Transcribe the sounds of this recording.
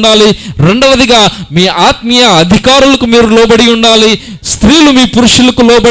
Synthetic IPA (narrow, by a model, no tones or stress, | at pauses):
ɳɖaːliɾe̞ɳɖɐʋɐd̪iɡaːmiːʔaːt̪mijɐɐd̪ʱikaːɾulɐkumiːɾulɔːbɐɽiuɳɖaːli | st̪ɾiːlumiːpuɾuʂulɐkulɔːbɐ